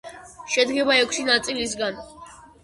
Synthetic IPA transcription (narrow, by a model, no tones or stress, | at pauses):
ʃɛd̪ɡɛbaɛkʷʰʃinat̪sʼilis̬ɡan